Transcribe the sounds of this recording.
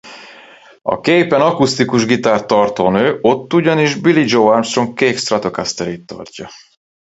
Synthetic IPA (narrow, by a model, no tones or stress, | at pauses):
ɒ̰keːpɛnɒkust̪ikuʒɡit̪aːrt̪ːɒrt̪oːnøːʔo̞t̪ːuɟɒniʒbilid͡ʒoanst̪roŋkeːkst̪rat̪okast̪ɛɾeːt̪ːɒ̰rcɒ